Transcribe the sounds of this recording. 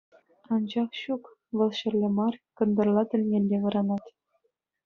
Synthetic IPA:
ɑnd͡ʑɑχɕuk | ʋɤ̆lˠɕɘ̆rʲlʲɘ̆mɑrkɤ̆nd̪ɤ̆rlˠɑt̪ʲɘ̆lʲnʲelʲːeʋɤ̆ɾɑnɑt̪ʲ

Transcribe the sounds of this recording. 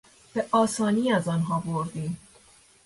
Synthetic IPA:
b̥e̞ʔɒːsɒːniːæzɒːnɦɒːboɾd̪iːm

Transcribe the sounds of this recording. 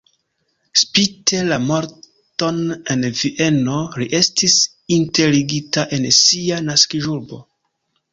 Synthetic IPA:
spitʰe̞lamoɾ | to̞ne̞nviʔe̞no̞ɾiʔe̞stis | inte̞liɡitaʔe̞nsianaskiʒuɾbo̞̰

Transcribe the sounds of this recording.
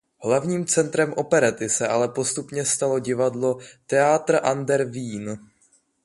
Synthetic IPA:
ɦlavɲiːmt͡sɛnt̪ɾɛmʔo̞pɛɾɛt̪ɪsɛʔalɛpo̞st̪upɲɛst̪alo̞ɟɪvadlo̞t̪ɛat̪r̩ʔandɛɾviːn

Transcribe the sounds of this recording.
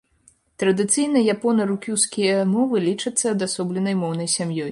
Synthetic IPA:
t̪ɾɐd̪ɨt̪sɨjnɐjapɔnɐɾukʲuwskʲijɐmɔvɨlʲit͡ʂɐt̪sːɐd̪asɔblʲɛnɐjmɔwnɐjsʲamjɔj

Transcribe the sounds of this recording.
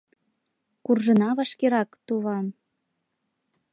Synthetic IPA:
kurʒə̆nɑβɑʃkeɾɑkt̪uβɑm

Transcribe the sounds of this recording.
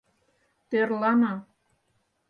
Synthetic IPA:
t̪erlɑnɑ

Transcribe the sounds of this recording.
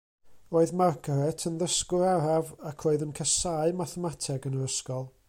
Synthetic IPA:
roːɨðmarkʰəɾɛtʰənðəskʊɾaɾavakʰroːɨðənkʰɛsaɨmaθɛmatʰɛɡənəɾəskɔlˠ

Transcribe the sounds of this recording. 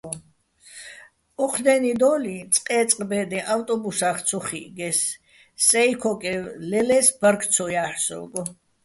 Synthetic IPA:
ɔqʰd̪ɛnid̪ɔlit̪sʼqʼɛt̪t͡s̪ʼqʼbɛd̪ɛʔawt̪ʼɔbusaχt̪sʰuχḭɡɛsː | ɛikʰɔkʼɛlɛlɛsbəɾkʰt̪sʰɔjaħsɔ̰lɡɔ

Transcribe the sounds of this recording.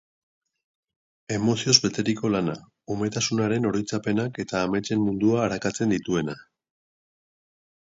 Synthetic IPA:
e̞mo̞sio̞zβe̞t̪e̞ɾiko̞lana | omet̪asunaɾe̞no̞ɾojt͡sape̞nake̞t̪aːme̞t͡ʃe̞mmund̪uaːɾakat͡se̞nd̪it̪ue̞na

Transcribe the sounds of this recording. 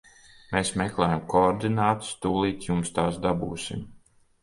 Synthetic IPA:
meːsmɛklˠɛːjamkoɔɾd̪inaːt̪u̥st̪uːlˠiːt̪jumst̪aːsd̪abuːsḭm

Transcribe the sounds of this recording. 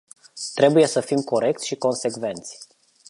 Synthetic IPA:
t̪ɾe̞buje̞səfimko̞ɾe̞k̚t̪sʲʃiko̞nse̞kve̞nt̪sʲ

